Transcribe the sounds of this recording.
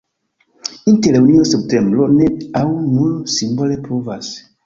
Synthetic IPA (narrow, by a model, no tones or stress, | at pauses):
inteleunioseptembloneawnulsimbolepovas